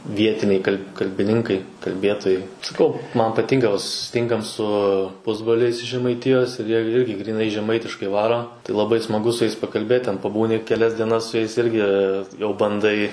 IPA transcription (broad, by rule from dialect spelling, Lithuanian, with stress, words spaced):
ˈʋʲiɛtʲɪnʲɛɪ kɐlʲ kɐlʲbʲɪˈnʲɪŋkɐɪ kɐlʲˈbʲeːtoːjɛɪ sɐˈkɐʊ ˈmɐn pɐˈtʲɪŋkɐ ʋɐ sʊsʲɪˈtʲɪŋkɐm sʊ ˈpʊzbroːlʲɛɪs ɪʃ ʒʲɛmɐɪˈtʲɪjoːs ɪr jiɛ ɪrʲɡʲɪ ɡrʲiːˈnɐɪ ʒʲɛˈmɐɪtʲɪʃkɐɪ ˈʋɑːroː tɐɪ lˠɐˈbɐɪ smɐˈɡʊ sʊ jɛɪs pɐkɐlʲˈbʲeːt tʲɛn pɐˈbuːnʲɪ kʲɛˈlʲɛs dʲiɛˈnɐs sʊ ˈjɛɪs ˈɪrʲɡʲɪ jɛʊ bɐnˈdɐɪ